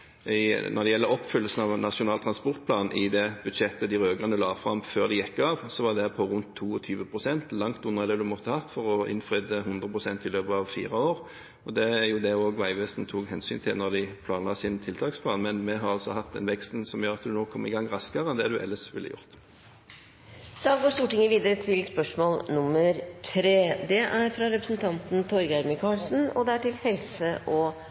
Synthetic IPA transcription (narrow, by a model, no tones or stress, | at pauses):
nɔʁd̪ɛjɛlːəɔpːfʏlːəsən̩ɑʋnɑʃʊnɑːlt̪ʰʁɑnspɔʁt̪̚pʰlɑːnn̩ʔɪd̪ɛbʉd̪ʂɛt̪ːəd̪ɪʁøːɡʁɑnəlɑːʋfʁɑmføːʁd̪ɪjɛkːəɑʋsɔʋɑd̪ɛpʰɔʁʉnt̪ʰːuːɔt̪ʰyːʋəpʰʁʊsɛnt̪lɑŋt̪ʊnʁəd̪ɛd̪ʉmɔt̪ːəhɑt̪ːfɔʁɔɪ̰nfʁʏd̪əɦʉnd̪ʁəpʁʊsɛnt̪ɪløːpəɑʋfḭːʁəoːʁ | ɔd̪ɛæjʊd̪ɛoːɡʋæɪʋɛːsnt̪ʰuːɡɦɛnsy̰ːnt̪ʰɪlnɔd̪ɪpʰlɑːnɑsɪnt̪ʰɪlt̪ʰɑːkspʰlɑːnmɛnmɛɦɑɾɑlsɔhɑt̪̚ːd̪ɛnʋɛkst̪n̩sɔmjøːʁɑt̪̚d̪ʉnoːkʰɔməɪɡɑŋːʁɑskəʁənd̪ɛɑd̪ʉʔɛ̰lːəsʋɪlːə̰jʊ̰ʁt̪ | d̪̥ɑːɡoːst̪uːʈɪŋːəʋiːd̪əɾət̪ʰɪlspœʂmoːlnʊmːəɾt̪ʰɾeːd̪ɛʔæɾfɾɑɾɛpɾəsnt̪ʰɑnt̪n̩t̪ʰɔɾɡæɾməkʰɑːlsn̩ɔd̪ɛæʈɪlhɛlsəʔɔ